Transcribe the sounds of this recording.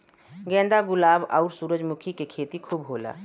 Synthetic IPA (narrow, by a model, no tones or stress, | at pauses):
ɡɛ̃ːnd̪aɡʊlaːbɔʊɾsuːɾəd͡ʒmʊkʰikekʰeːt̪ikʰuːbɦoːla̰ː